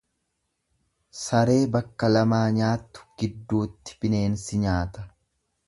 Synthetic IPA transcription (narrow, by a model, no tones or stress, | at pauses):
sɐɾe̞ːbɐkːɐlɐmaːɲaːt̪ːʊ̥ɡ̥ɪd̪ːuːt̪ːɪ̥bɪne̞ːnsɪɲaːt̪ɐ